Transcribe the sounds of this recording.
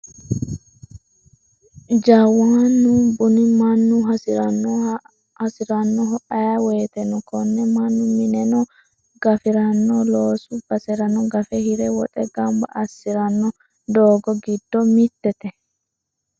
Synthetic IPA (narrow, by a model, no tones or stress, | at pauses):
d͡ʒɐwaːnːubʊnɪmɐnːʊɦɐsɪɾɐnɔ | hɐsɪɾɐnːɔɦɔʔɐjaweːt̪ɛnɔkɔnːɛmɐnːʊmɪnɛnɔ | ɡ̥ɐfɪɾɐnːɔloːsʊb̥ɐsɛɾɐnɔɡɐfɛhɪɾɛwɔt̪ʼɛɡɐmbɐ̰ʔːsːɪɾɐnːɔ | d̪oːɡɔɡɪd̪ːɔmɪt̪ːɛt̪ɛ